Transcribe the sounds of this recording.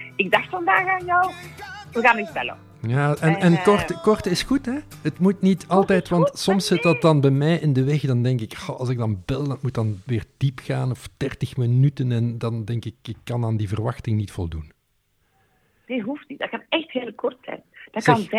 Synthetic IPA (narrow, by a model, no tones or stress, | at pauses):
ɪɡ̚dɑxtfɑndaːxaːnjɔwʋəɣaːnɪbɛlə̰ | jaːɛnɛnkɔrtəkɔrtəɪsxutɦɛ | ətmutnitɑlˠtɛjtʋɑntsɔmsːɪtdɑt̚dɑnbɛjmɛjʔɪndəʋɛxdɑndɛŋkɪkxɔɑlˠzɪɡ̚dɑnbɪlˠdɑtmutdɑnʋɪːrd̥ipxaːnɔfd̥ɛrtəxmənytənɛndɑndɛŋkɪkɪkːɑnaːndivərʋɑxtɪŋnitfɔlˠdun | d̥ɪɦuftnit̚dɑtkanɛxtheːlˠkɔrtsɛ̰jnd̥ɑtkɑnv